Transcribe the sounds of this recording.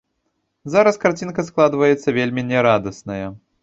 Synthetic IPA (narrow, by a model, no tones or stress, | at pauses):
zaɾɐskart͡sʲinkɐsklˠad̪vɐjɛt̪sːɐvʲelʲmʲinʲɛɾad̪ɐsnɐjɐ